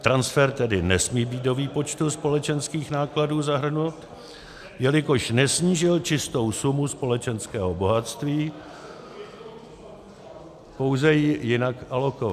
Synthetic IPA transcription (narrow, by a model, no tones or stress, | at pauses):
t̪ɾansfɛɾt̪ɛdɪnɛsmiːbiːt̪̚do̞viːpo̞t͡ʃt̪uspo̞lɛt͡ʃɛnskiːxnaːkladuːzaɦr̩nut̪ | jɛlɪko̞ʃnɛsɲiːʒɪlt͡ʃɪst̪o̞wsumuspo̞lɛt͡ʃɛnskɛːɦobo̞ɦat̪st̪viː | po̞wzɛjɪjɪnakʔalo̞kova